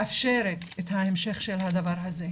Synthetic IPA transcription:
afʃeɾet̪et̪haemʃe̞χʃelhad̪avaʁɦaze

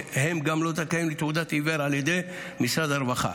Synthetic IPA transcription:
hemɡamlot̪akajimlit̪ud̪at̪iveɾaljed̪ej | misɾad̪aɾvaχa̰

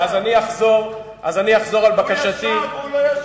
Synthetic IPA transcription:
azaniaχzo̞ʁ | ʔazaniaχzo̞ʁalbakaʃat̪i

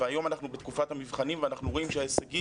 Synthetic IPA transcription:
veajo̞manaχnubet̪kufathamivχanimveanaχnuʁo̞imʃeaesaɡi

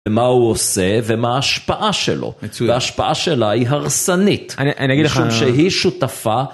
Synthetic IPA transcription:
emauosevemaːʃpaʔaʃḛlʔo̰aʃpaʔaʃelahiɦaʁsanitaniaɡiʃumʃeɦiʃutafa

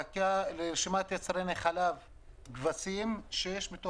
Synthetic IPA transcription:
kaleʃimat̪jat͡sɾeneχalav | ɡvasimʃejeʃmit̪o

